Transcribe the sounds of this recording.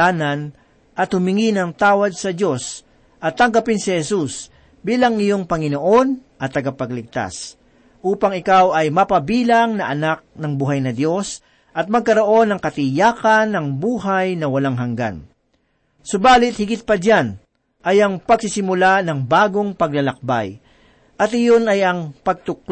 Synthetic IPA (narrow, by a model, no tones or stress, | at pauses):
aːnɐn | ʔɐt̪hʊmɪŋinɐŋt̪aːwɐd̪̚sɐd̪jo̞s | ʔɐt̪ːɐŋɡɐpɪnsɪhɛsus | biːlɐŋɪjo̞ŋpɐŋɪnoʔo̞nʔɐt̪ːɐɡapɐɡlɪɡ̚t̪a̰s | ʔuːpɐŋɪkawɐjmɐpɐbiːlaŋnɐʔɐnak̚nɐŋbuːɦɐjnɐd̪jo̞s | ʔɐt̪̚mɐɡ̚kɐɾo̞ʔo̞nːɐŋkɐt̪ɪjaːkɐnːɐŋbuːɦajnɐwɐlaŋɦɐŋɡa̰n | sʊbaːlɪt̪̚hɪɡɪt̪̚pɐd͡ʒan | ʔɐjɐŋpɐɡsɪsɪmʊlanɐŋbaːɡo̞ŋpɐɡlɐlɐk̚ba̰j | ʔɐt̪ɪjo̞nɐjɐŋpɐɡ̚t̪ʊk